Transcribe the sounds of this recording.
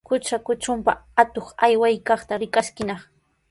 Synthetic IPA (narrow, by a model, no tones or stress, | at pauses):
kʊt͡ʃakʊt͡ʃʊmpaat̪oχajwajkɑχt̪aɾɪkaʃkɪnɑχ